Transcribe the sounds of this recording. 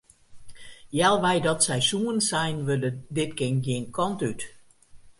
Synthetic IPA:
jɛlˠʋɛjdɔtsɛjsuənsɛjnʋølədɪtkɪnɡiənkʰɔntyt

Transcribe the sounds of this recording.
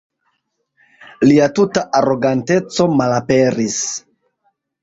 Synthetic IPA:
liatutaʔaɾo̞ɡante̞t͡so̞malape̞ɾis

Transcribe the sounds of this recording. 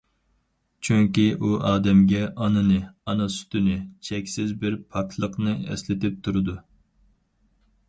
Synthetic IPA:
t͡ʃʰyŋkʲiʔuʔɑːd̪ɛmɡʲɛʔɑnɨnɨɑnɑsy̥t̪ynɪt͡ʃʰɛkʲsɪzbɪɾpʰɑkʰlˠəqnɨɛ̰slɪt̪ɪp̚t̪ʰuɾɨd̪u

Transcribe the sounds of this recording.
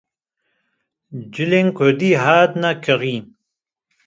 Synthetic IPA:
d͡ʒɨlenkʰod̪iɦaːd̪nakʰɨʁin

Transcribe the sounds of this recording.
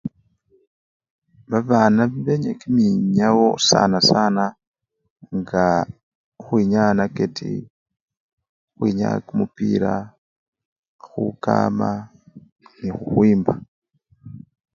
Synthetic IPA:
βaβaːnaβiβeɲekimiɲawosa̰nasana | ŋɡa | xwiɲanaketʰḭ | xwiɲa̰kumupiɾa | xuka̰ma | nixuxwiːmba

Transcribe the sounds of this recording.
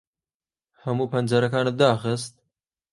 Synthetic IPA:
hɐmuːpʰɐnzɐɾɐkɑːnət̪̚d̪ɑːxɨst̪̚

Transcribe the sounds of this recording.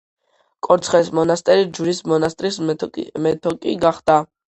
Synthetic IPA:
kʼɔɾt̪sʰχɛismɔnast̪ʼɛɾid͡ʒuɾismɔnast̪ʼɾismɛt̪ʰɔkʼiɡaχd̪̥a

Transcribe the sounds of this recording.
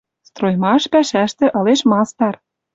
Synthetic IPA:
st̪rojmɑʃpæʃæʃt̪ĕʔɤ̆leʃmɑst̪ɑr

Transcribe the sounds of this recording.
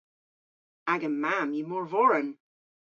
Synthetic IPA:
aɡəmamjəmɔɹvɔɹən

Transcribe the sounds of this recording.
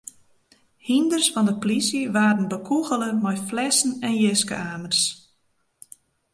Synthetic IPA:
hindərsfɔndəpolisiʋaːdən̩bəkʰuɣələmɔjflɛsn̩ɛnjɪskə̰aːmərs

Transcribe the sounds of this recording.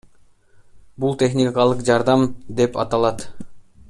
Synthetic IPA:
bulˠt̪ʲe̞χnʲikɑlˠɯqd͡ʒɑɾd̪ɑmd̪e̞pɑ̰t̪ɑlˠɑt̪

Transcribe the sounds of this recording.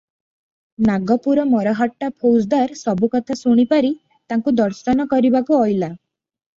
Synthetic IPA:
naɡɔpuɾɔmɔɾɔɦɔʈːapʰowsd̪aɾsɔbukɔt̪ʰasuɽ̃ipaɾi | t̪aŋkud̪ɔɾsɔnɔkɔɾibakuɔjla

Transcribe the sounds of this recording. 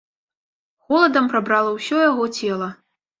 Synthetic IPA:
ɣɔlˠɐd̪ɐmpɾabɾalˠɐwsʲɔjaɣɔt͡sʲɛlˠɐ

